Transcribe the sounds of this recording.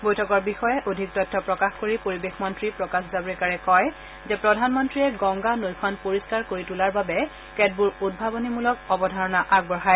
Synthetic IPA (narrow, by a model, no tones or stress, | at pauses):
bojtʰɔkɔɹbixɔjɛʔodʱik̚tɔjtʰːɔpɹɔkaxkoɹipoɹibexmɔntɹipɹɔkaszabɹikaɹɛkɔj | zɛpɹɔdʱanmɔntɹiɛɡɔŋɡanojkʰwanpoɹiskaɹkoɹitulaɹbabɛ | kɛd̚buɹud̚bʱabɔnimulɔk̚ɔbɔdʱaɹɔnaʔaɡ̚bɔɦaj